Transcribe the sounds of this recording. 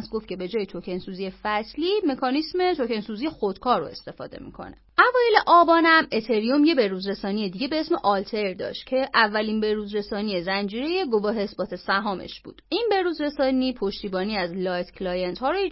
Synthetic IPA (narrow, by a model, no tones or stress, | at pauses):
sɡo̞ft̪cʰe̞be̞d͡ʒɒːjet̪ʰocʰe̞nsuzije̞fæslime̞kʰɒːnisme̞t̪ʰoce̞nsuːzijexod̪̥kʰɒːɾo̰e̞̰st̪e̞fɒ̰ːd̪e̞̰mḭkʰo̞̰ne̞̰ʔævɒːjeleʔɒːbɒːnæmet̪ʰeɾijomje̞be̞ɾuːzɾesɒːnije̞d̪iːɟebeesmeʔɒlt̪ʰeɾd̪ɒ̰ːʃt̪̚cʰe̞ʔævːælinbe̞ɾuːzɾe̞sɒːnije̞zænd͡ʒiːɾeje̞ɡo̞vɒːɦe̞sbɒːt̪ʰe̞sæɦɒːmḛʃb̥ṵːd̪̥inbe̞ɾuzɾe̞sɒːniːpʰoʃt̪iːbɒːniæzlɒjt̪klɒːjent̪hɒːɾo